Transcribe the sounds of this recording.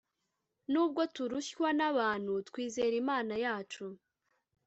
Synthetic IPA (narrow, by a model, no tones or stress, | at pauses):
nuːb̚ɡo̞tuɾuɕwanaβaːn̥hutkwiːze̞ɾimaːnajaːt͡ʃu